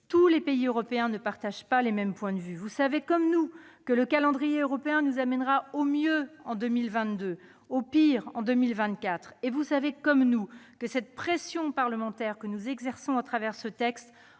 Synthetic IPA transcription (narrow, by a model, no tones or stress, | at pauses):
t̪ulepeiøʁɔpeɛ̃nəpaʁt̪aʒpalemɛmpwɛ̃d̪əvyvusavekɔmnu | kələkalɑ̃d̪ʁijeøʁɔpeɛ̃nuzamɛnʁaomjøɑ̃d̪ømilvɛ̃t̪d̪ø | opiʁɑ̰̃d̪ømilvɛ̃t̪kʲat̪χevusavekɔmnukəsɛt̪̚pχesjɔ̃paʁləmɑ̃t̪ɛʁkənuzɛɡzɛʁsɔ̃at̪χavɛʁsət̪ɛkst̪